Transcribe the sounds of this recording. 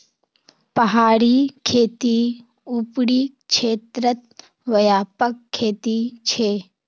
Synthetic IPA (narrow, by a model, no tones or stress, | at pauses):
pɐɦaːɾikʰeːt̪i | upɽiːkʃʰeːt̪ɾət̪̚ | ʋɐjaːpəkʰːeːt̪it͡ʃʰeː